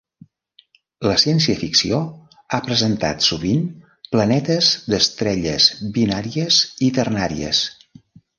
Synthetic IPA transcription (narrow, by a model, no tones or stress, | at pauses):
ləsiɛnsiəfiksio | apɾəzənt̪a̰t̪suβin | plənɛt̪əzd̪əst̪ɾɛʎə̰zbinaɾiəzit̪ərnaɾḭə̰s